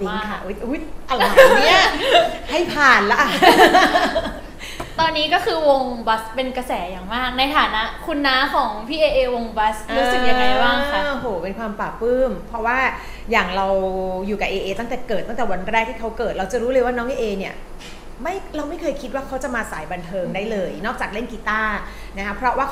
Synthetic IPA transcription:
di˧˥˩a˥˩ʔu˦˥jʔu˦˥jʔa˧la˧ni˦˥ | ha˥˩jpʰaː˨˩nla˦˥ʔa˧˩ | t̪ɔː˧nːiː˦˥kɔː˥˩kʰɯː˧wo˧ŋba˦˥spe˧nka˧sɛː˩˦jaː˨˩ŋmaː˥˩k̚na˧jt̪ʰaː˨˩˦na˦˥ʔkʰu˧nːa˦˥kʰɔː˩˦ŋpʰiː˧˩ʔeː˧ʔeː˧wo˧ŋba˦˥sɯː˧si˨˩ja˧˩ŋːa˧jbaː˥˩ŋkʰa˥o˧ɦoː˨˩˦pe˧nkʰwaː˧mpaː˨˩pːɯː˥˩mpʰɾɔ˦˥waː˥˩ | jaː˨˩ŋɾa˧wjuː˨˩ka˨˩ʔeː˧ʔeː˧t̪a˥˩ŋt̪ɛː˨˩kɤː˨˩t̪ːa˥˩ŋt̪ɛː˨˩wa˧nɾɛː˥˩k̚t̪ʰiː˥˩kʰa˦˥wkɤː˨˩t̪̚ɾa˧wt͡ɕa˨˩ɾuː˦˥lɤː˧jwaː˥˩nɔː˦˥ŋʔeː˧ʔeː˧ni˦˥˩ɐ | ma˥˩jɾa˧wma˥˩jkʰɤː˧jkʰi˦˥t̪̚waː˥˩kʰa˦˥wt͡ɕa˨˩maː˧sa̰ː˩˦jba˧nt̪ʰɤː˧ŋdaː˥˩jlɤː˧jnɔː˥˩k̚t͡ɕaː˨˩k̚le˥˩nki˧t̪aː˥˩ | na˦˥kʰa˦˥pʰɾɔ˦˥waː˥˩

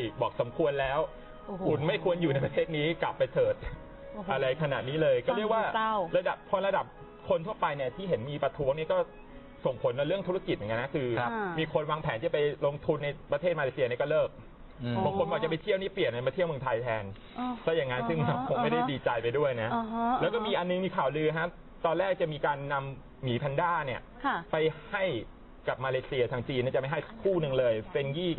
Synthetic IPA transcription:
bɔː˨˩k̚sa˩˦mkʰu˧ənlɛː˦˥w | ku˨˩nma˥˩jkʰu˧ənjuː˨˩na˧jpɾa˧t̪ʰeː˥˩t̪̚niː˦˥kla˨˩pːa˧jtɤː˨˩t̪̚ | ʔa˧ɾa˧jkʰa˧na̰˨˩t̪̚niː˦˥lɤː˧jkɔː˥˩˨ɾəkwaː˧˥˩ɾa˧da˨˩p̚pʰɔː˧ɾa˧da˨˩p̚ | kʰo˧nt̪ʰu˥˩ɐpa˧jni˧˩ət̪ʰiː˥˩ɦe˩˦nmiː˧pɾa˧t̪ʰuː˦˥ŋni˦˥kɔː˥˩ | so˨˩ŋpʰo˩˦nd̪ɔː˧˦ɾɯ˥˩əŋʰu˦˥a˧ki˨˩m˨˩ka˧na˦˥kʰɯː˧miː˧kʰo˧nwaː˧ŋpʰɛː˨˦nʰiː˥˩a˨˩pa˧jlo˧ŋt̪ʰu˧nːa˧jpɾa˧t̪ʰeː˥˩t̪̚ma˧le˧si˧˩˧ni˦˥˩kɔː˥˩lɤː˥˩k̚ | bɔː˨˩kʰo˧nbɔ˨˩kt͡ɕa˨˩pa˧jt̪ʰi˥˩wniː˦˥˩pli˨˩nʔa˨˩˨ma˧t̪ʰi˥˩mɯ˧ŋt̪ʰaː˧jt̪ʰɛː˧n | kɔː˦˥˩ja˨˩ŋːa˦˥nsɯ˥˩ŋna˦˥wkʰo˧ŋma˥˩jda˥˩diː˨˩t͡ɕa˧jpa˧jdu˥˩əjna˦˥ʔlɛ˦˥wkɔː˥˩miː˧ʔa˧nːɯ˧ŋmiː˧kʰaː˨˩wlɯː˧ɦa˦˥ | t̪ɔː˧nlɛː˥˩k̚t͡ɕa˨˩miː˧kaː˧nːa˧m | miː˩˦pʰa˧ndaː˥˩ni˥˩ɐkʰa˧˩pa˧jha˥˩j | ka˨˩p̚maː˧leː˧si˧ɐ˧t̪ʰaː˧ŋt͡ɕiː˧nːi˧˥˩t͡ɕa˨˩ma˥˩ɦa˥˩jkʰuː˥˩nɯ˧ŋlɤː˧jfe˧njiː˥˩

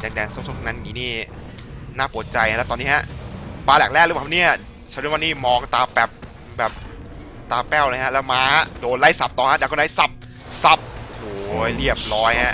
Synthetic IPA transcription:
daː˧˩ŋdɛː˧˩ŋso˧˥˩so˧˥˩t̪ʰːna˦˧˥nkiː˧niː˥˩ | naː˥˩pu˨˩ət̪̚t͡ɕa˧jɛː˦˥wt̪ɔː˧nːiː˦˥ɦa˦˥ʔpaː˧lɛː˨˩k̚lɛː˥˩k̚ɾpaː˨˩˨niː˦˥a˧˩ | t͡ɕʰɾ̚wa˥˧niː˥˩mɔː˧ŋt̪aː˧pɛː˨˩p̚ | bɛː˨˩p̚ | t̪aː˧pɛː˥˩wlɤː˧jha˦˥ʔlɛː˦˥wmaː˨˦˥doː˧nla˥˩jsa˨˩p̚t̪ɔː˨˩ha˦˥daː˨˧˩kɔ˧˨da˧˦jsa˨˩p̚ | sa˨˧˩p̚oː˨˧˩jɾi˥˩əp̚lɔː˦˥jha˦˥ʔ

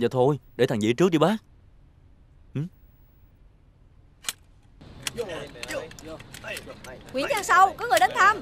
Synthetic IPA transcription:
aː˨˩t̪ʰo˧jɗe˧˩t̪ʰaː˨˩ŋzḭ˧˥t͡ɕɨ˦˥k̚ɗi˧˩ɓaː˦˥k̚ | ʔɨ˧˩m | kwi˨˧˩əŋt͡ɕaː˧ŋsa˧wkɔː˨˦ŋɨ˨˩əɗə˨˦nt̪ʰaː˧m

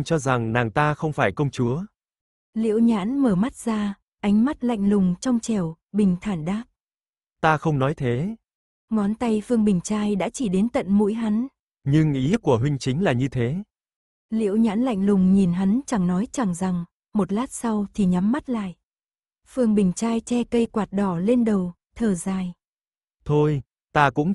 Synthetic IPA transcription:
t͡ɕɔ˧za˨˩ŋnaː˨˩ŋt̪aː˧xə˧wŋ͡mfaː˧˩jkə˧wŋ͡mt͡ɕu˨˦ə | lḭ˧˨əwɲa̰ː˧˥nməː˧˩ma˦˥t̚z̥aː˧ | ʔa˨˦jŋ̟ma˦˥t̚la̰˧˨jŋ̟lʊ˨˩ŋ͡mt͡ɕɔ˧wŋ͡mt͡ɕɛ˧˩w | ɓï˨˩ŋ̟t̪ʰaː˧˩nɗaː˦˥p̚ | t̪aː˧xə˧wŋ͡mnɔ˨˦jt̪ʰe˨˦ | ŋɔ˨˦nt̪a˧jfɨ˧əŋɓï˨˩ŋ̟t͡ɕaː˧jɗa̰ː˧˥t͡ɕi˧˩ɗe˨˦nt̪ə̰˧˨nmṵ˧˥jɦa˨˦n | ɲɨ˧ŋʔi˨˦ku˧˩əɦwï˧ŋ̟t͡ɕï˨˦ŋ̟laː˨˩ɲɨ˧t̪ʰe˨˦ | lḭ˧˨əwɲa̰ː˧˥nla̰˧˨jŋ̟lʊ˨˩ŋ͡mɲi˨˩nɦa˨˦nt͡ɕa˧˩ŋnɔ˨˦jt͡ɕa˧˩ŋza˨˩ŋ | mo˨˩t̚laː˦˥t̚sa˧wt̪ʰi˨˩ɲa˨˦mːa˦˥t̚la̰ː˧˨jʔ | fɨ˧˩əŋɓï˨˩ŋ̟t͡ɕaː˧jt͡ɕɛ˧kə˧jkwaː˨˩t̚ɗɔ˧˩le˧nɗə˨˩w | t̪ʰəː˨˩zaː˧˩j | t̪ʰo˧j | t̪aː˧kʊ̰˧˥ŋ͡m

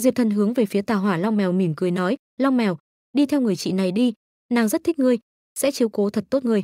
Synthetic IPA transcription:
zi˨˩t̪ʰə˨˩nɦɨ˨˦əŋve˨˩fi˨˦ət̪aː˨˩ɦwaː˧˩lɔ˧wŋ͡mmɛ˨˩wmi˧˩mkɨ˨˩əjnɔ˨˦j | lɔ˧wŋ͡mmɛ˨˩w | ɗi˧t̪ʰɛ˧wŋ͡mŋɨ˨˩əjt͡ɕḭ˧˨na˨˩jɗi˧ | naː˨˩ŋzə˦˥t̚t̪i˦˥k̟̚ŋɨ˧˩əj | sɛ̰˧˥t͡ɕi˨˦əwko˨˦t̪ʰə˨˩t̚t̪o˦˥t̚ŋɨ˨˩əj

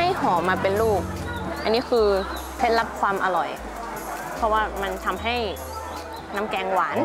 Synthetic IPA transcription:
a˥˩jhɔː˩˦maː˧pe˧nluː˥˩k̚ | ʔa˧nːiː˦˥kʰɯː˧ | t̪ʰe˦˥t̪̚la˦˥p̚kʰwaː˧mʔa˧lɔ˨˩j | pʰɔ˧˥waː˧˥˩ma˧nt̪ʰa˧mɦa˥˩j | na˧˥mkɛː˧ŋwaː˩˦n

